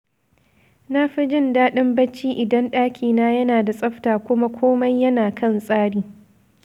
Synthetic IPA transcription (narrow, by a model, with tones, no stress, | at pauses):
na˦ɸi˦d͡ʒɪ˦˨ndaː˦ɗɪ˦mbɐ˦t͡ʃːiː˦ʔɪ˨dɐ˦nɗaː˦kʲiː˨naː˦jɐ˦naː˨da˨sʼɐ˦ɸtaː˨kʷʊ˦ma˦kʷʰoː˦mɐ˦jːɐ˦naː˨kʰɐ˦˨nsʼaː˦ɽiː˦